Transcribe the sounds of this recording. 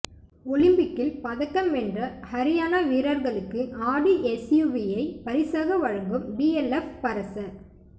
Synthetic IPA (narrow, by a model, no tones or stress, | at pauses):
ɔlɪmbɪkːɪlpɐðɐkːɐmɛndrɐhɐɾɪjaːnaʋiːɾɐɾɣɐɭɯkːɯʔaːɽiʔɛsjuʋijɐɪpɐɾɪsaːɣɐʋɐɻɐŋɡɯmbiɛlɛfpɐɾɐsɐ